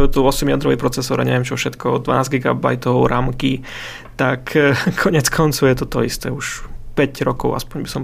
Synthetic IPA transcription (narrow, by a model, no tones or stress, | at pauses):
jɛt̪uɔsɛmjad̪ɾɔʋipɾɔt͡sɛsɔːɾa̰ɲɛ̰ʋɛmt͡ʃɔfʃɛt̪kɔɔd̪ʋa̰naːzɡiɡa̰ba̰jt̪ɔʊɾamki | t̪akʰkʰɔɲɛt͡skʰɔnt͡sɔʊjɛt̪ɔt̪ɔist̪ɛːuʃpɛcɾɔkɔʊa̰spɔɲbisɔm